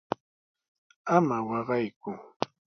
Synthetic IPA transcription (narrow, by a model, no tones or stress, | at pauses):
amawɑɢɑjkʊ